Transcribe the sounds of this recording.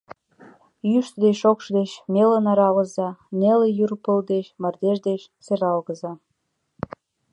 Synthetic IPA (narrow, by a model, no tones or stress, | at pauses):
jyʃt̪d̪eʃokʃd̪eɕmelənɑɾɑlə̆zɑnelejyrpəld̪eʃmɑrd̪eʒd̪eʃseɾɑlɣəzɑ